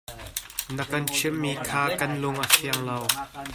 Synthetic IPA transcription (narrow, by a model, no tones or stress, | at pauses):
nəkɐnt͡ʃʰimːiːkʰaːkɐnlʊŋʔafʰiəŋlɐw